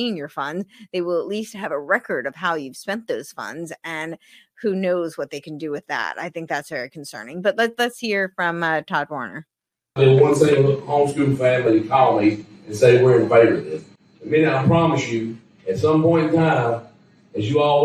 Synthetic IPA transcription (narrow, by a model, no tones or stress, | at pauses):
ĩnjə˞fʌ̃ndzðeɪwəlˠətˡlist̚hɨvəɹɛkə˞ɾʌv̥ɦaʊjʉv̥spɛ̃nðoʊz̥fʌ̰̃ndzɨ̃nhunoʊzwʌt̪̚ðeɪkʰn̩dɨwɨðæ̰ɾa̰ɪθɪ̃ŋk̚ðætsv̥ɛɹikʰn̩sɜ̰̃˞nɪ̃ŋbʌtˡlətlɨtshiɹfɹʌ̃mtʰɑd̚wɔɹnə̰˞ | ðɪwʌ̃nsẽɪəʊkhõʊ̃mskʉn̩fæ̃mliɨkʰɑlˠəmˠi | ɨ̃nseɪwɪɹɨ̃ɱfeɪvə˞ɪz | mĩñaɪpʰɹ̥ɑmɨsjʉ | ɨtsʌ̃mpɔ̃ɪ̃ntʰãɪ̃m | ɨzjɨɔ